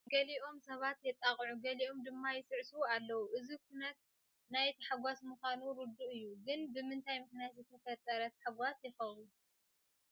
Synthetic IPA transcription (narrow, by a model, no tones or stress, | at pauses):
ɡɐliʔo̞msɐβat̪jɛt̪ʼaχʼʕuɡɐliʔo̞md̪ɨmːajɪsɨʕsuualːɐwuʔɨzikʰunɐt̪̚ | najt̪ʰħaɡʷasmuxʷanuɾɨd̪uʔɨjːuɡɨnbɨmɨnt̪ʰajmɨxnijat̪zɨt̪ʰɐfɐt̪ʼːɐɾɐt̪ħaɡʷasjɨxɐβu